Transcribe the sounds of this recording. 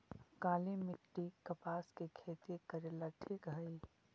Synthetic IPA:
kaːlimɪkʈːikəpaːskekʰeːt̪ikəɾeːlaʈʰiːkɦəi

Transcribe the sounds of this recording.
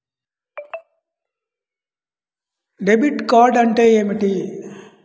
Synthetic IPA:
ɖebiʈkaːɖɐɳʈeemiʈi

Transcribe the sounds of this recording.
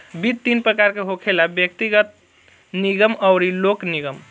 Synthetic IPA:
bid̪t̪ːinpɾəkaɾkeɦokʰelabjək̚t̪iɡət̪̚ | niɡəməʊɾilokniɡəm

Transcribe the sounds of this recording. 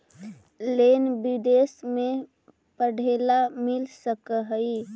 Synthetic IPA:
lenbɪd̪esmẽ | pəɽʱeːlamɪlsəkəɦəi

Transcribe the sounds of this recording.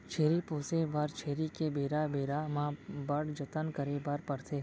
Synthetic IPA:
t͡ʃʰeːɾipõːsebaɾt͡ʃʰeːɾikebeːɾabeːɾamãbəɽd͡ʒət̪ənkəɾebaɾpəɽt̪ʰe

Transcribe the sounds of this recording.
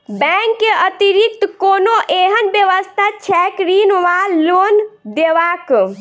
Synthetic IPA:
bɛ̃ŋkːeət̪iɾik̚t̪konoʔeɦənbjəʋəst̪ʰat͡ʃʰɛkɾinʋallond̪eʋak

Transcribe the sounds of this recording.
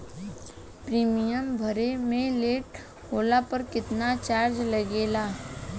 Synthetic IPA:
pɾiːmijəmbʱəɾemẽleːʈ | ɦoːlapəɾkɪt̪nat͡ʃaːɾd͡ʒlɐɡeːlaː

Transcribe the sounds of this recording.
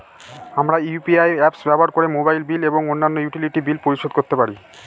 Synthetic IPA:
amɾaupiajɛpsbɛboɦaɾkoɾemobajlbileboŋonːanːojuʈiliʈibilpoɾiʃod̪̚koɾt̪epaɾi

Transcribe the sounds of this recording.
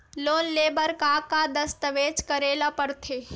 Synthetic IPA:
loːnleːbəɾkaːkad̪əst̪əʋeːt͡ʃkəɾeːlapəɾt̪ʰeː

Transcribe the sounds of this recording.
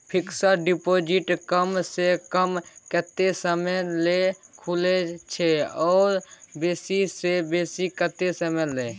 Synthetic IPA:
pʰɪksaɖipod͡ʒɪʈkəmsekəmkət̪esəmɛlekʰulet͡ʃʰeɔːɾbeːsisebeːsikət̪esəmɛleː

